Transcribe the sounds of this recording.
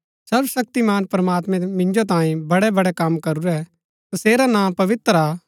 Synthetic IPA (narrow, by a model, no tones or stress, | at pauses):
sɐɾbsɐk̚t̪imaːnpɾɐmaːt̪mɛ̃mɪ̃nd͡ʒot̪̬ãːĩbɐɽɛbɐɽɛkɐmkɐɾuɾɛ | t̪ɐseːɾanãːpɐʋɪt̪ɾaː